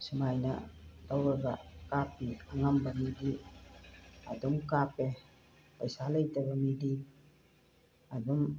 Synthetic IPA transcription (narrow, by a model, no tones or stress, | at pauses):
sumajna̰lawɡakap̚iaŋambamidi | adɔŋkape | pajsaləjtebamidi | adɔŋ